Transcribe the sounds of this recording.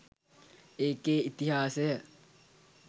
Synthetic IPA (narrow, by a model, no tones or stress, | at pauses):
eːkeːit̪iɦaːsejə